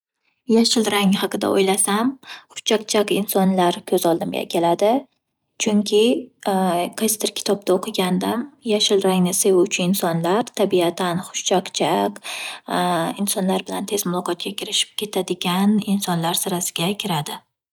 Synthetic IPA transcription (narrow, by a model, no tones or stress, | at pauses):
jaʃɪlɾaŋhɑqɨd̪a̰o̰jlasamχʊ̥t͡ʃʰːaqt͡ʃʰakɪnsɒnlaɾkʲʰɵzɒlˠd̪ɪmɡʲa̰kʲʰelad̪ɪ | t͡ʃʰʊŋkʲʰɪ | kʰast̪ɪɾkʲʰɪ̥t̪ʰɒb̚t̪ʰaoqʰɨɡʲand̪amjaʃɪlɾaŋnɪsewʊt͡ʃʰɪɪnsɒnlaɾt̪ʰabiat̪ʰanχʊ̥ʃt͡ʃʰaqt͡ʃʰak | ɪnsɒnlaɾbɪlant̪ʰe̞zmʊlˠɒqʰɒt̪̚kʲakʲʰɪɾɪʃɪ̥p̚kʲʰe̞t̪ʰad̪ɪɡʲanɪnsɒnlaɾsɪɾasɪɡʲakʲʰɪɾad̪ɪ